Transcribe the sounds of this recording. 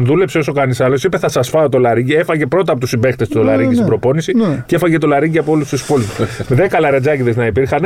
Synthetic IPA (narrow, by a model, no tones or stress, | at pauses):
ðule̞pseo̞so̞kɐnisɐlo̞sipeθɐsɐsfɐot̪o̞lɐɾiɲɟiefɐʝe̞pɾo̞t̪ɐpo̞t̪usibext̪e̞st̪olɐɾiɲɟist̪ibɾo̞po̞nisicefɐʝe̞t̪o̞lɐɾiɟiɐpoolust̪uspolinumðekɐlɐɾed͡zɐciðe̞znɐipiɾxɐne